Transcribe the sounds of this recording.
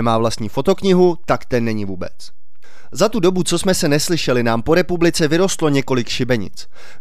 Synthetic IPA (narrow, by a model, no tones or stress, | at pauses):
maːvlast̪ɲiːfo̞t̪o̞kɲɪɦut̪akt̪ɛnːɛɲɪvuːbɛ̰t͡s | zat̪udo̞but͡so̞smɛsɛnɛslɪʃɛlɪnaːmpo̞ɾɛpublɪt͡sɛvɪɾo̞st̪lo̞ɲɛko̞lɪkʃɪbɛɲɪ̰t͡s